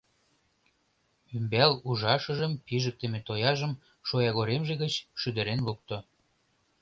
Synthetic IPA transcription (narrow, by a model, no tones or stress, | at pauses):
ymbæluʒɑʃə̆ʒəmpiʒək̚t̪emet̪ojɑʒəm | ʃojɑɣoɾemʒeɣət͡ɕʃyd̪ə̆ɾenlok̚t̪o